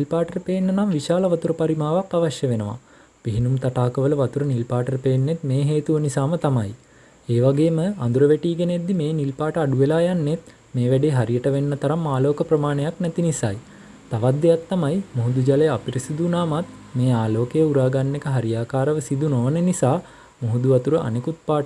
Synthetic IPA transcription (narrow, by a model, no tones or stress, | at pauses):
nilpaːʈəɾəpeːnːənamʋiʃaːləʋat̪uɾəpaɾimaːʋakaʋaʃjəʋenəʋa̰ | piɦinumt̪aʈaːkəʋələʋat̪uɾənilpaːʈəɾəpeːnːet̪meːɦeːt̪uʋənisaːmət̪amaj | eːʋaɡeːməa̰nd̪uɾəʋeʈiːɡend̪ːimeːnilpaːʈəaɖuʋelaːjanːet̪ | meːʋæɖeːɦaɾijəʈəʋenːət̪ɐɾamːaːloːkəpɾɐmaːnejaknɛt̪inisa̰j | t̪aʋat̪ːejat̪ːamajmoɦud̪ud͡ʒalejəapiɾisid̪unaːmat̪ | meːaːloːkejəuɾaːɡanːekəɦaɾijaːkaːɾəʋəsid̪unoʋənənisaː | moɦud̪uʋat̪uɾəʔa̰nekut̪̚paːʈə